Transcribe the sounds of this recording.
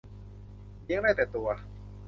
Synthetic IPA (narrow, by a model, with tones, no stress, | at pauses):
li˧əŋdaː˥˩jt̪ɛː˨˩t̪u˧ɐ